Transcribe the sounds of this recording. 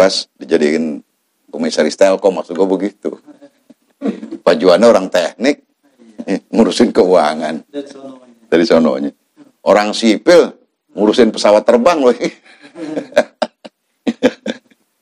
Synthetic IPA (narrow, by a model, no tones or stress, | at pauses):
asdid͡ʒadin | komisaɾist̪ɛlkɔmasuɡabəɡit̪ṵ | b̥ad͡ʒuanːaoɾaŋt̪ɛhnɪk̚ | muɾusɪnkəuaŋan | d͡ʒadisono̰ɲa | ʔoɾaŋsipɪl | muɾusɪnpəsawat̪ːərbaŋloi